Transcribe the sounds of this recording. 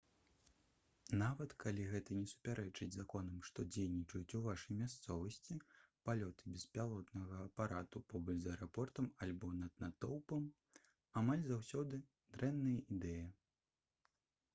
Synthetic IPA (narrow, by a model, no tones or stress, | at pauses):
navɐt̪kʰalʲiɣɛt̪ɐnʲɛsu̥pʲaɾɛt͡ʂɨd͡zʲzakɔnɐmʂt̪ɔd͡zʲejnʲit͡ʂɐjut͡sʲuvaʂɐjmʲast̪sɔvɐsʲt͡sʲipalʲɔt̪ɨbʲɛspʲalˠɔt̪nɐɣɐːpaɾat̪upɔbɔt͡ʃzɐɛɾapɔrt̪ɐmalʲbɔnɐd̪nat̪ɔwpɐm | amalʲzawsʲɔd̪ɨ | d̪ɾɛnːɐjɐʔid̪ɛjɐ